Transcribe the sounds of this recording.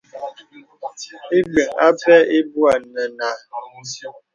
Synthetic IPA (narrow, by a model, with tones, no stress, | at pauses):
e˦ɡ͡be˨ŋ̩˨a˦pɛ˦e˦bu˦a˨n˨nə˨na˨